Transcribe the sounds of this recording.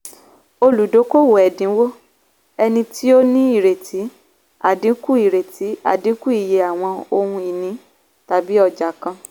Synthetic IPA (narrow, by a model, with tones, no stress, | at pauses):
o˧lu˨do˨˦ko˦˨wo˨ɛ˨dĩ˨˦wo˦ | ɛ˧nĩ˧ti˦o˦nĩ˦i˦˨ɾe˨tʰi˨˦ | a̰˨dĩ˨˦ku˦i˦˨ɾe˨ti˨˦a̰˨dĩ˨˦ku˦i˨je˨a˨w̃ɔ̃˧o˧hũ˧i˨nĩ˨˦ | ta˨bi˦ɔ˧d͡ʒa˨kã˧